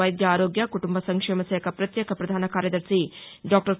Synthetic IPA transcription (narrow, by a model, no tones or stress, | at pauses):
ɐjd̪jɐaːɾoːɡjɐkuʈumbɐsɐŋkʂeːmɐseːkʰɐpɾɐt̪jeːkʰɐpɾɐd̪ʱaːnɐkaːɾjɐd̪ɐɾsiɖaːk̚ʈɐɾs